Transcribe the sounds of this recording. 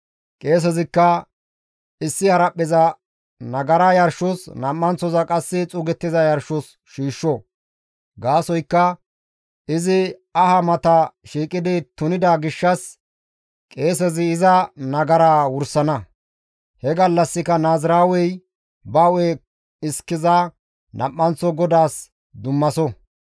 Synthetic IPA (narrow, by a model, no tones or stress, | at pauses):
kʼe̞ːs̬ɛzɪkːɐ | ɪsːɪhɐɾɐpʼːɪzɐ | nɐɡɐɾajɐɾʃʊsnɐmːɐnt͡sːɔzɐkʼɐsːɪt͡sʼʊɡɛt̪ːɪzɐjɐɾʃʊs | ʃiːʃːɔ | ɡaːsɔjkːɐ | ɪzɪɐhɐmɐt̪ɐʃiːkʼɪd̪ɪt̪ʊnɪd̪aɡɪʃːɐs | kʼe̞ːs̬ɛzɪːzɐnɐɡɐɾaːwʊɾsɐnɐ | hɛɡɐlːɐsːɪkɐnaːzɪɾaːwɛj | bɐwɛ | ɪskːɪza | nɐ̰mːɐnt͡sːɔɡɔd̪aːs | d̪ʊmːɐsɔ